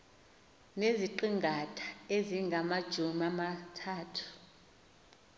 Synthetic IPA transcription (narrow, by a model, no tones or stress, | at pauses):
neziǃiŋɡʱatʰḁeziŋɡʱamad̥ʒ̥ʱumamatʰaːtʰu̥